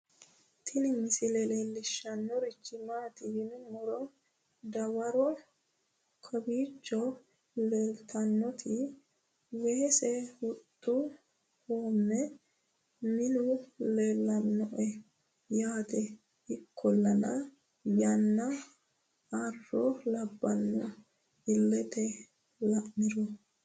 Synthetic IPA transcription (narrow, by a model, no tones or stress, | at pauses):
t̪ʰɪnɪmɪsɪlɛlelːɪʃːɐnːɔɾɪt͡ʃːɪmaːt̪ɪhɪnmɔɾɔ | d̪ɐwɐɾɔ | kʰɐbiːt͡ʃːɔ | leːlt̪ʰɐnːɔt̪ʰɪ | weːsɛhʊt̪ʼːʊ | huːmːɛ | mɪnʊleːlːɐnːɔʔɛ | jaːt̪ɛ | ɪkʰːɔlːɐnɐ | jɐnːɐ | ɐrːɔlɐbːɐnːɔ | ɪlːɛt̪ɛ | lɐʔmɪɾɔ